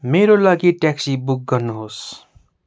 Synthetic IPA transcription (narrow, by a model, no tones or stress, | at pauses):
meɾolʌɡiʈaksibuk̚ɡʌrnuɦos